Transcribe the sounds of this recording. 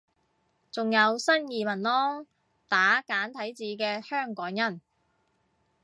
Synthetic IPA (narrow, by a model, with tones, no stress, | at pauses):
t͡sʊ˨ŋjɐ˨˧wsɐ˥njiː˨mɐ˨˩nlɔː˥ | t̪aː˨˥kaː˨˥nt̪ʰɐ˨˥jt͡siː˨˧kɛː˧hœː˥˩ŋkɔː˨˥ŋjɐ˥˩n